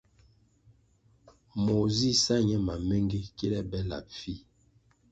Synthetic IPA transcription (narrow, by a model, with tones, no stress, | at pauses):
mo˨zi˦˨sa˦ɲɛ˦ma˨me˦ŋɡe˦ki˦lɛ˦bɛ˦la̰˨p̚fi˦˨